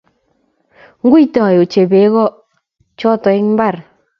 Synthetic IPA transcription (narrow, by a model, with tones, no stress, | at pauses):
ŋɡu˦i˦ta˨jo˨t͡ʃe˨be˨˦ɣɔ˦ | t͡ʃɔ˦tɔ˨ɪ˦ŋm˦ba˦˨ɾ